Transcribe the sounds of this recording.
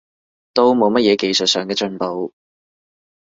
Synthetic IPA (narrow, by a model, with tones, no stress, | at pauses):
t̪o˥wmo˨wmɐ˥t̚jɛː˨˧ke˨jsɵ˨t̚sœː˨ŋkɛː˧t͡ʃɵ˧npo˨˥w